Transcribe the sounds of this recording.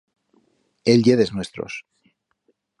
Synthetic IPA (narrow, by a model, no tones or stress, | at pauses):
elʎeðeznwe̞st̪ɾo̰s